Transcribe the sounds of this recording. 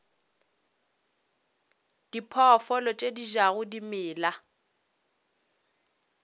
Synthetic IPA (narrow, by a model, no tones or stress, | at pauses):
d̥ipʰɔfɔlɔt͡ʃʼediʒaɣʊdimɪːla